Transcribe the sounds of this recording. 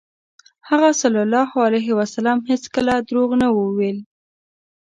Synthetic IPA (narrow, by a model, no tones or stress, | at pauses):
haɣasalɑlɑhoalajɦɪwasalɑmheskəlad̪ɾoɣnawəwel